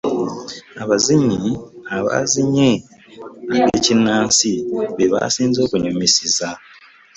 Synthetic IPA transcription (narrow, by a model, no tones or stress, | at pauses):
aβaziɲiaβa̰ziɲe | aβeːcinːaːnsiβeβa̰siːnzo̞ːkuɲomisiza